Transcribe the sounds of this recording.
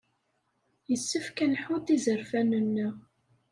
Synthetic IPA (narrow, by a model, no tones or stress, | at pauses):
jəsːəfkænħuθizəɾfænənːə